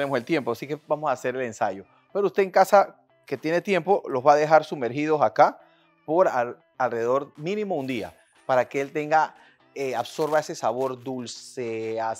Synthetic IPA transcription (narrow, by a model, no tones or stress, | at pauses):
emoselt̪je̞mposike̞bamosaːse̞ɾe̞le̞nsaʝo̞ | pe̞ɾoust̪e̞ːŋkasa | ke̞t̪je̞ne̞t̪je̞mpo̞lo̞zβaðe̞xaɾsume̞ɾxið̞o̞saka | po̞ɾa | alreeðo̞ɾmĩnĩmo̞und̪ia̰ | paɾakeelt̪e̞ŋɡa | eaβso̞ɾβae̞se̞saβo̞ɾd̪ulsea